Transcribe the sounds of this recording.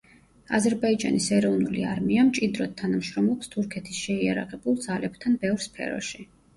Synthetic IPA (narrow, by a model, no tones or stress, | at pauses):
a̰zɛɾbaid͡ʒa̰nisɛɾɔvnulḭaɾmiamt͡ʃʼid̪ɾɔt̪̚ʰːanamʃɾɔmlˠɔpst̪ʰuɾkʰɛt̪ʰisʃɛia̰ɾa̰ʁɛbulˠd̪zalɛbt̪ʰanbɛvɾspʰɛ̰ɾɔ̰ʃi